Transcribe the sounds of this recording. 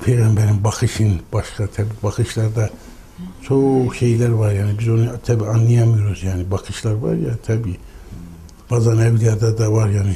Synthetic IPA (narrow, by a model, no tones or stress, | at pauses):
pʰejɣambæɾimbakʰɯʃɯnb̥aʃkat̪ʰabiːbaxʰɯʃlˠaɾd̪a | t͡ʃʰoʃe̞jlæɾvaɾjaːnibizo̞nɯt̪ʰabiːanːˠɯjamɯjoɾuzjaːnibakʰɯʃlˠaɾva̰ɾjat̪ʰabiː | b̥aːzanɛvliæɾd̪ad̪avaɾjaːni